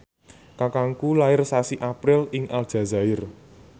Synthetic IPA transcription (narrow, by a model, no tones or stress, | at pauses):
kakaŋkulaɪrsasiʔapɾɪlɪŋʔald̥ʒ̥ä̤za̤ɪr